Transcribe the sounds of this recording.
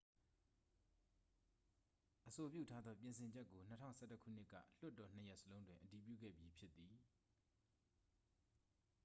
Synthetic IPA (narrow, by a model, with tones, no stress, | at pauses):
ʔəso˨pjṵ˦˨tʰa˦d̪ðɔ˦p̬jɪ̃˨nsʰɪ̃˨ɲd͡ʑɛ˦kːo˨n̥ətʰã̰˦ʊ̃sɛ˦tə˦kʰṵ˦˨n̥ɪ˦kːä̰˦˨l̥ʊ˦tːɔ˨n̥əjɛ˦ʔsəlõ˦ʊ̃ndwɪ̃˨ʔəti˨p̬jṵ˦˨ɡɛ̰˦˨bji˦pʰjɪ˦t̪ːi˨